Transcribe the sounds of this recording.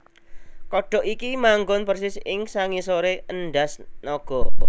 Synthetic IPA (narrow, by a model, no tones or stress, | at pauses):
kɔɖ̥ɔ̤ʔikimaŋɡʊnpərsɪsɪŋsaŋisoɾeənɖasnɔɡ̥ɔ̤